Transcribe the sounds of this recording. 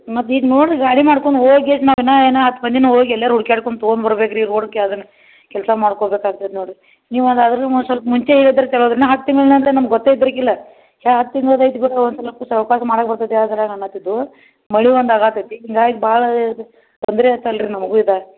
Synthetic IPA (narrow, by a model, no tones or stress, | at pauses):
nat̪iːɡnoːɖɾiɡaːɽimaːɽkoɳɖɦoːɡesnaːʋinaeːnaɦɐt̪ːbɐnd̪inɐɦoːɡiɛljaːɾuɽkaːɽkoɳɖt̪oːnbɐɾbekɾiɾoːɽkːeɐd̪ɐnːɐ | kɛlsɐmaːɽkobekaːɡ̚t̪ɐd̪noːɽɾi | niːʋɐnd̪ɐd̪ɐɾsɐlpɐmuɲt͡ʃeilid̪ɐɾekɛɭoːd̪ɾinɐɦaːk̚t̪imeːlnɐnenɐmɐɡɔt̪ːeid̪ɐɾɐkilːɐ | aɦɐt̪ːiŋɡ̪ɐd̪ɐjt̪biʈɐonsɐlɐkːusɐʋipaːsɐmaːɽɐk̚bɐɾt̪ɐd̪ead̪ɐlaɡɐnːat̪id̪ːu | mɐɭiʋond̪aɡaːt̪ɐd̪iiŋɡaːjkbaːɭɐ | t̪ond̪ɾɛat̪ːaɐlɾinɐmɐɡuːid̪aɾe